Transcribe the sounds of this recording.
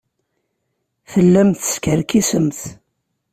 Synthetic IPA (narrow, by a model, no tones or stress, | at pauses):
θəlːæmθə̥skəɾkisəmθ